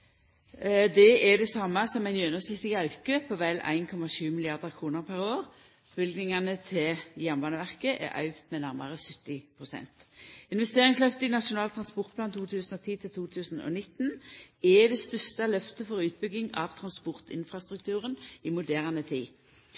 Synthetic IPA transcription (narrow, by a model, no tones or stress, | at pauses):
d̪ɛɛd̪ɛsɑmːəsɔmæɪnjœnəsnɪt̪ːɪɡɑʉkəpʰoʋælæ̰ɪnkʰɔmɑʃʉːmɪlɪɑʁd̪əʁkʰʁuːnəʁpʰæʁoːʁ | b̥ʏlɡnɪŋɑnət̪ʰɪjæʁnʋɑnəʋæʁkəʔɛ̰ʔɑ̰ʉɡt̪mɛnæʁmɑ̰ʁəsʏt̪ːɪpʰʁʊsɛ̰nt̪ɪnʋɛst̪eːʁɪŋslœft̪əɪnɑʃʊnɑːlt̪ʰʁɑnspɔʁt̪̚pʰlɑːnt̪ʰuːt̪ʰʉːsn̩ɔt̪ʰiːt̪ʰɪlt̪ʰuːt̪ʰʉːsn̩ɔ̰nɪt̪nɛd̪ɛst̪ʉst̪ɑlœft̪əfɔʁʉːt̪̚bʏɡ̪ɪŋɑ̰ʋt̪ʰʁɑnspɔʁt̪ɪ̰nfɾɑst̪ʁʉk̚t̪ʰʉːʁənɪmʊd̪æːʁnət̪ʰiː